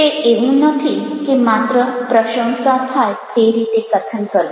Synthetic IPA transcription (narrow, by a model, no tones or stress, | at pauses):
t̪eʔeɦũnət̪ʰiːkimat̪ɾəpɾəkʂə̃w̃sapʰajt̪eɾit̪ekət̪ʰənkəɾo